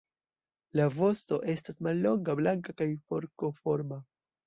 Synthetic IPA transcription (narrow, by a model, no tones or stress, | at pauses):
lavo̞sto̞ʔe̞stasmalːo̞ŋɡablaŋkakajfo̞ɾko̞fo̞ɾma